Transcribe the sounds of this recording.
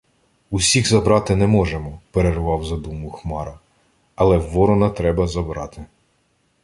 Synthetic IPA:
usʲiɣzɐbɾɑt̪ɪnɛmɔʒemɔpeɾerʋɑwzɐd̪umʊxmɑɾɐ | ɐlˠɛʋɔɾɔnɐt̪ɾɛbɐzɐbɾɑt̪ɪ

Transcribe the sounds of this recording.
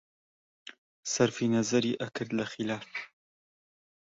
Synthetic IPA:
sɐɾfinɐzɐɾiʔɐkʰɨɾd̪lɐxilaːf

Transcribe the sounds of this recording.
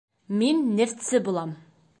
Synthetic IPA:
minːɘft̪sɘbulˠɑm

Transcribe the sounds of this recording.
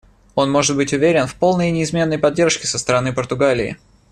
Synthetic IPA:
o̞nmo̞ʐɨt̪̚bɨtʲʊvʲeɾʲɪnfpo̞lˠnəjnʲɪɪzmʲe̞nːəjpɐdʲːe̞rʂkʲɪsəst̪əɾɐnɨpərt̪ʊɡalʲɪɪ̰

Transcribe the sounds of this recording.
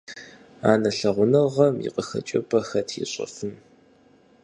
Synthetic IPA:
aːnɐɬɐʁʷʊnɐʁɐmjḭqəxɐ̰t͡ʃʼɐpʰʼɐxɐtʰḭɕʼɐ̰fɨm

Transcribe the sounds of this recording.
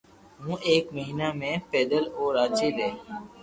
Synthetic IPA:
ɦũːʔeːkməɦiːnaːmẽːpeːd̪əloːɾaːt͡ʃeːleː

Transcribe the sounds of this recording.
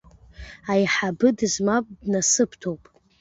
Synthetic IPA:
ajħabɨdɨzmapʼdnasɨpʰtʰowpʼ

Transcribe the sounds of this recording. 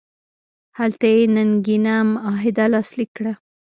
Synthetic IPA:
halt̪ajenanɡinamɑɦɪd̪alɑslikːɽa

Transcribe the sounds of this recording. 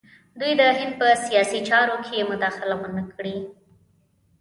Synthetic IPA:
d̪ujd̪əɦɪnd̪̚pəsijɑsit͡ʃɑɾokʰejemʊd̪ɑxɪlawənəkʰɽi

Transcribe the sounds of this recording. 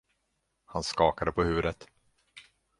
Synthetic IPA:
hanskɑːkad̪əpʰɔhʉ̟ːəd̪ət̪

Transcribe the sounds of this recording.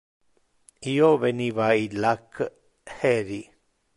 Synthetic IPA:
ijoβenĩβailak | heɾi

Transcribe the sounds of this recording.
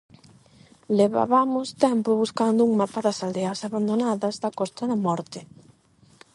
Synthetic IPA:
leβa̰βamʊst̪ɛmpʊβuskand̪ʊuŋmapaðɐsald̪eɐsaβand̪onaðɐzðɐkɔst̪ɐðɐmɔɾt̪ɪ

